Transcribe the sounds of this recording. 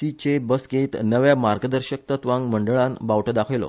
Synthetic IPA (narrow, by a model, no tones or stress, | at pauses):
sit͡ɕebəsɡet̪nəʋjamaɾɡəd̪əɾɕək̚t̪ət̪ʋãŋɡməɳɖəɭãnbawʈəd̪akʰəjlo̰